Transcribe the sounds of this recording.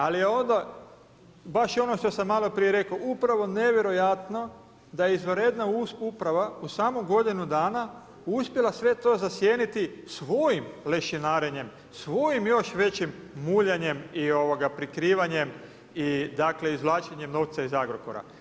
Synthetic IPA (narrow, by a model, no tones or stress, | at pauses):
alijeo̞nd̪a | baʃio̞no̞ʃt̪o̞samːalˠo̞pɾije̞ɾe̞koupɾaʋo̞ne̞ʋje̞ɾo̞jat̪no̞ | d̪ajeizʋəɾed̪nauupɾaʋausaːmuɡo̞d̪inud̪aːna | uspje̞lasʋe̞t̪o̞ːzasje̞ːnit̪isʋo̞jimleʃinaːɾeɲe̞m | sʋo̞jimjo̞ʃʋe̞t͡ɕimːuʎaɲe̞mio̞ʋoɡapɾikɾiːʋaɲe̞m | id̪akle̞izʋlˠaːt͡ʃeɲe̞mno̞ʋt̪saizaɡɾokoɾa̰